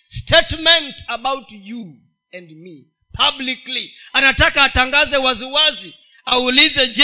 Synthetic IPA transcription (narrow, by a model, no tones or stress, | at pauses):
stʰetmɛ̃ntabawtju | ɛ̃ndmi | pʰabliklianatakaːtãŋɡazɛwaziwazi | aulizɛd͡ʒ